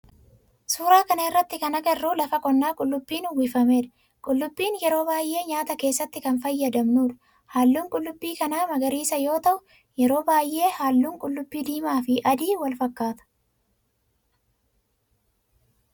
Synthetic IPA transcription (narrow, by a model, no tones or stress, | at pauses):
suːɾaːkɐnɐɪrːɐt̪ːɪkɐnɐkɛrːuːlɐfɐkʼɔnːaːkʼʊlːʊbːiːnwɪfɐme̞ːᶑɐ̥ | kʼʊlːʊbːiːnjɛɾo̞ːbaːjʔe̞ːɲaːt̪ɐke̞ːsːɐt̪ːɪkɐnfɐjːɐd̪ɐmnuːᶑɐ̥ | haːlːuːŋkʼʊlːʊbːiːkɐnaːmɐɡɐɾiːsɐjo̞ːt̪ɐʔʊ | jɛɾo̞ːbaːjʔe̞ːhaːlːuːŋkʼʊlːʊbːiːd̪iːmaːfɪʔɐd̪iːwɐlfɐkːaːt̪ɐ̥